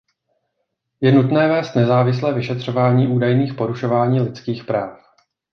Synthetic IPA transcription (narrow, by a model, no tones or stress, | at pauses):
jɛnut̪nɛːvɛːst̪nɛzaːvɪs̬lɛːvɪʃɛt̪r̝̥o̞vaːɲiːʔuːdajniːxpo̞ɾuʃo̞vaːɲiːlɪt͡skiːxpɾaːf